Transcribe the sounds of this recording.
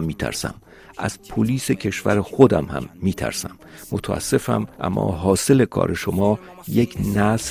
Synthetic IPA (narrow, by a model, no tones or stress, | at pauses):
mːiːt̪ʰæ̰ɾsæ̰m | ʔæz̥pʰoliːse̞cʰe̞ʃvæɾexod̪æmhæ̰mːiːt̪ʰæ̰ɾsæmːot̪ʰæʔæ̰sːe̞fæ̰mʔæ̰mːɒ̰ːɦɒːse̞le̞kʰɒ̰ːɾe̞ʃomɒː | jecʰnæs